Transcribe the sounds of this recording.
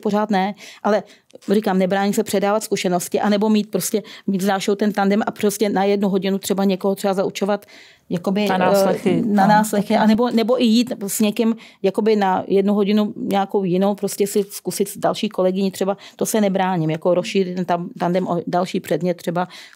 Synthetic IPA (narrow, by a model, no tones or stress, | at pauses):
poɾ̝aːt̪nɛʔalɛ | rikaːmnɛbɾaːɲɪsɛpr̥ɛdaːvat̪skuʃɛno̞scɪʔanɛbo̞miːt̪̚pɾoscɛmiːt̪zaːʃowt̪ɛnt̪andɛmaproscɛnajɛdnuɦo̞ɟɪnut̪r̝̥ɛbaɲɛkoɦot̪r̥ɛbazaʔut͡ʃo̞vat̪ | jakobɪnsɛxɪnanaːslɛxɪʔanɛbo̞nɛboʔɪjiːt̪sɲɛkɪmjako̞bɪnajɛdnuɦo̞ɟɪnuɲɛako̞wjɪno̞wpɾoscɛsɪskusɪt̪dalʃiːko̞lɛɡɪɲɪt̪r̥ɛbat̪osɛnɛbɾaːɲɪmjakoɾosʃɪːrɪt̪ɛnt̪amt̪andɛmʔodalʃiːpr̥ɛdmɲɛt̪̚ːr̥ɛba